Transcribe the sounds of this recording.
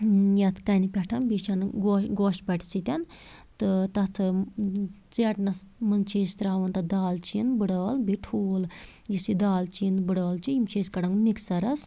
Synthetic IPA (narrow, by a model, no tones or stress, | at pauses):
jɐt̪ʰkɐnipʲɛʈʰɐnbit͡ʃʰɐnɡoɡoːʃbɐʈʰsit̪ʲɐn | t̪ɨt̪ɐt̪ʰɨ | t͡seʈnɐsmɨnt͡ʃʰeːst̪ɾaːʋɐnt̪ɐd̪aːlt͡ʃʰinbɨɽəːlbiʈʰuːl | jisid̪aːlt͡ʃʰinbɨɽɐːlt͡ʃʰijimt͡ʃʰeːskɐɽɐŋɡmiksɐɾɐs